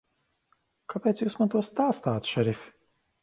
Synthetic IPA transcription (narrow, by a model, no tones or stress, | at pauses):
kʰapʲɛːt̪juːsmant̪uɔst̪aːst̪aːt̪ʃɛɾifʲ